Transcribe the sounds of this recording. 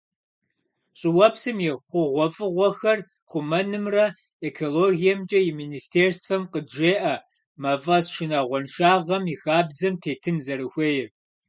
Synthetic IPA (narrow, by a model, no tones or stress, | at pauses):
ɕʼɪwɐpsɨmjɛχʷʊʁʷɔfʼɨʁʷɔxɐr | χʷʊmɐnɨmrɐ | ekʰoloːɣijɛmt͡ʃʼɐjɪministʰeːrsfɐmqədʒeːʔɐ | mɐvʼɐsʃɪnaʁʷɔnʃaːʁɐmixaːbzɐmtʰeːtʰɨnzɐɾɨxʷeːjɪ